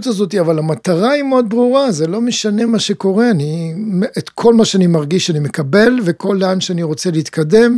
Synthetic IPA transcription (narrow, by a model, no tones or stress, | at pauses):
t̪azo̞t̬iavalamat̪aʁaimeo̞d̪̚bʁuʁazelo̞meʃane̞maʃe̞ko̞ʁe̞animet̪kʰo̞lmaʃeanimaʁɡiʃanime̞kabe̞lveko̞lːeanʃeaniʁo̞t͡seleit̪kade̞m